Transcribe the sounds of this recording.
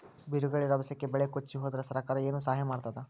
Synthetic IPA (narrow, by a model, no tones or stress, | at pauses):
biɾuɡɐɭiɾɐʋɐsɐkːebɛɭekot͡ʃːiɦoːd̪ɐɾɐsɐɾɐkaːɾɐe̞ːnusaːɦjɐmaːɽt̪aːd̪e